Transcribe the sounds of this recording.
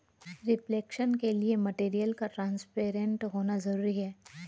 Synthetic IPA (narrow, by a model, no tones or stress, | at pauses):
ɾɪpleːkʃənkeliemɐʈeːɾijəlkaʈɾãːnspeːɾẽɳʈɦoːnazɐɾuːɾiɦɛː